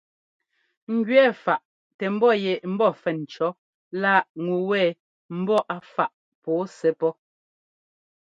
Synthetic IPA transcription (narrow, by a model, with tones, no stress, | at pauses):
ŋ̩˨ɡɥɛ˦˨fa˨ʔ | tɛ˨m̩˦bɔ˦˨jɛ˨m̩˦bɔ˦˨fɛ˨n̩˨t͡ʃɔ˨˦ | la˦˨ʔŋu˨wɛː˦˨ | m̩˦bɔ˦ʔa˨fa˦˨ʔ | pɔː˨˦sɛ˨˦pɔ˦